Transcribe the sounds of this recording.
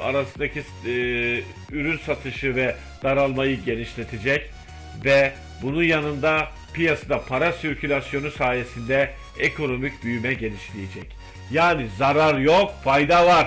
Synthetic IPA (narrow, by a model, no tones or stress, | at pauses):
a̰ɾasɯnd̪acʰi | yɾynsat̪ʰɯʃɯvɛ | d̪̥aɾalˠmajɯɟe̞niʃlʲe̞t̪ʰed͡ʒɛc | vɛ | bununjanɯnd̪a | pijasad̪apʰaɾasyɾcʰylʲasjo̞nusaːje̞sind̪ɛ | ekʰo̞no̞micbyjymɛɟe̞nʲiʃlʲijed͡ʒɛc | jaːnizaɾaɾjo̞kfajd̪avaɾ̥